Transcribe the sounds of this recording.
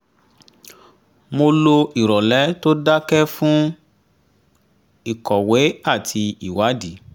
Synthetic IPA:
mo˧lo˧i˨ɾɔ˨lɛ˨˦to˦da˦kɛ˦fũ˦ | i˦˨kɔ˨wɛ˨˦a˦˨tʰi˧i˨wa˨˦di˨˦

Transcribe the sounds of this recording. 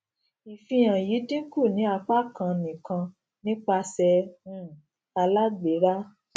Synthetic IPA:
i˨fĩ˧j̃ã˨ji˨˦dĩ˦ku˦˨nĩ˨˦a˧k͡pa˦kã˧nĩ˨kã˧ | nĩ˦k͡pa˧sɛ˧ũ˦˨ | a˧la˦ɡ͡be˨˦ɾa˦

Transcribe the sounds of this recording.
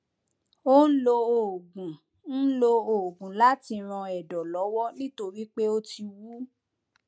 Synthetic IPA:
o˦n̩˦lo˧o˨ɡũ˨ | n̩˦lo˧o˨ɡũ˨la˦ti˧ɾ̃ɔ̃˧ɛ˨dɔ˨lɔ˨˦wɔ˦nĩ˦to˧ɾi˦k͡pe˦o˦ti˧wu˦

